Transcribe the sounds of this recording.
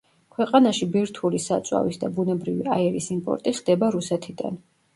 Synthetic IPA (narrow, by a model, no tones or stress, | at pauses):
kʰwɛqʼanaʃibiɾt̪ʰulisat̪sʼwa̰visd̪abunɛbɾivḭaɛɾisimpʼɔ̰ɾt̪ʼiχd̪ɛbaɾusɛt̪ʰid̪a̰n